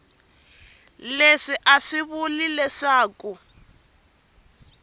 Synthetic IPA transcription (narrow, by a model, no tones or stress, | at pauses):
leʂiʔaʂiβulilɛʂaːku